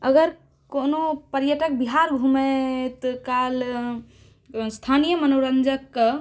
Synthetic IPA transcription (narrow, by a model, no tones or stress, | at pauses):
əɡəɾ | konopəɾjəʈək̚biɦaɾɡʱumet̪kal | st̪ʰanijəmənoɾənd͡ʒəkːə